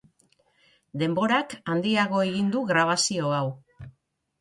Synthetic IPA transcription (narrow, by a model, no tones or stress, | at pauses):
d̪e̞mbo̞ɾakand̪iaɣ̞o̞e̞ɣind̪uɣɾaβ̞asio̞aw